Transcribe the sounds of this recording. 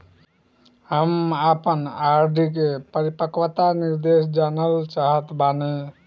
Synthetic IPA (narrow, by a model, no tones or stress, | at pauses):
ɦəmapənaɾɖʱik̬epəɾipəkʋət̪aniɾd̪esd͡ʒanəlt͡ʃaɦət̪bane